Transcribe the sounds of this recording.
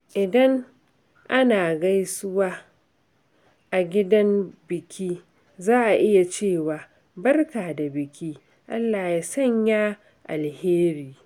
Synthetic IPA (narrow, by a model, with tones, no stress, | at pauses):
ʔɪ˨dɐ˦ŋ | ʔa˦naː˨ɡa˦jsʊ˦waː˦ | ʔa˨ɡʲɪ˦dɐ˦mbɪ˨kʲʰiː˦ | zaː˦ʔa˨ʔɪ˦ja˨t͡ʃeː˦˨waː˨ | bɐ˦rkaː˨da˨bɪ˨kʲʰiː˦ | ʔa˦lːaː˨ja˨˦sɐ˦˨ɲjaː˦ | ʔa˨lheː˦ɾiː˨